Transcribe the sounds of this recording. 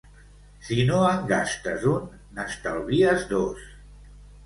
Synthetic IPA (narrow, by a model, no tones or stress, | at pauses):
sinoəŋɡast̪əzunː | əst̪alˠβiəzðos